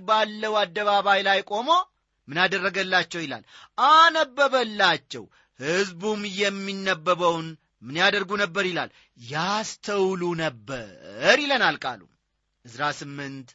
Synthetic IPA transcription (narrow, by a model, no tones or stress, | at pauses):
balːəwad̪ːəβaβajlajkʼo̞mo̞ | mɨnad̪ərːəɡəlːat͡ʃːɛwjɪla̰lʔanəbːəβəlːat͡ʃːɛ̰w | hɨzbumjɛmːinːəbːəβəwn | mɨnjad̪əɾɡunəbːəɾɪla̰l | jast̪ʰəwlunəbːə̰ɾilənalkʼa̰lṵ | ʔɨzɾasɨmːɨnt̪